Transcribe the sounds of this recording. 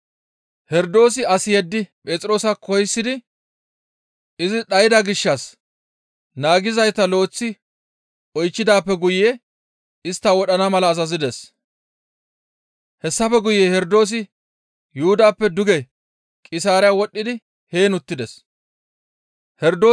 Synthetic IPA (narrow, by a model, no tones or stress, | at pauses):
hɛɾd̪o̞ːs̬ɪɐsɪjɛd̪ːɪpʼe̞ːt͡sʼɾo̞ːsɐkʰɔjsːɪd̪ɪ | ɪzɪɗɐjɪd̪ɐɡɪʃːɐs | naːɡɪzɐjt̪ɐlo̞ːt͡sːɪ | ʔɔjt͡ʃːɪd̪aːpːɛɡʊjːe | ɪst̪ːawɔɗɐnɐmɐlɐːzɐzɪd̪ɛs | hɛsːɐfɛɡʊjːeːhɛɾd̪o̞ːs̬ɪ | jʊʊd̪aːpːɛd̪ʊɡɛ | kʼɪsaːɾɪjawɔɗːɪd̪ɪ | he̞ːnʊt̪ːɪd̪ɛs | hɛɾd̪oː